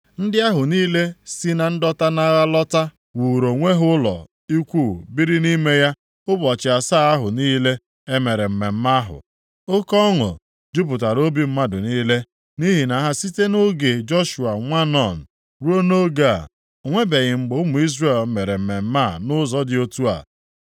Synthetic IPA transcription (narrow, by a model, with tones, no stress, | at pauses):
n̩˦dɪ˦a˦ɦʊ˨niː˦le˦si˦na˨n̩˦dɔ˦ta˦na˦ɣa˦lɔ˦ta˦ | wu˨ɾo˨ŋʷe˦ɦʊ˦lɔ̰˨ | i˦kʷu˦˨bi˦ɾi˦ni˦me˦ja˦ | ʊ˦bɔ˨t͡ʃɪ˨a˨sa˦a˦ɦʊ˨niː˦le˦ | e˦me˨ɾe˨m̩˨me˨m̩˦ma˦ɦʊ̰˨ | o˦kɔ˦ŋʊ̰˨ | d͡ʒʊ˦p̬ʊ˨ta˨ɾo˦bi˦m̩˦ma˦dʊ˨niː˦le˦ | ni˦ɦi˨na˨ɦa˦si˦te˦nʊ˦ɡe˨d͡ʒɔ˦ʃu˨a˨ŋʷa˦nɔ˨n̩˨ | ɾu˦o˦no˦ɡa˦˨ | ŋʷe˦be˨ɣɪ˨ŋ͡m̩˨ɡ͡bʊ˨˦ʊ˦mʊ˨i˦zre˦˨lme˨ɾe˨m̩˨me˨m̩˦ma˦˨nʊ˦zɔ˦dɪ˨˦o˦tu˦a̰˨